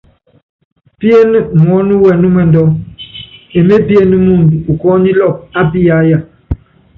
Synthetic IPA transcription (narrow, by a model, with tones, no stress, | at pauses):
pi˦e˦n˦˨mɔ˨˦nu˦wɛ˨nu˦mwɛ˨ndɔ˦ | e˨me˦pi˦e˦ni˦mu˦˨ndu˨u˨kɔ˦ni˦lɔ˦˨p̚a˦pi˦ja˨˦ja˦˨